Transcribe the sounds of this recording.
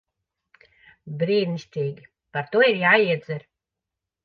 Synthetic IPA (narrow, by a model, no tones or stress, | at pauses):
bɾiːɾniʃt̪ʲiːɡʲi | paɾt̪uɔiɾjaːiɛd̪zɛɾ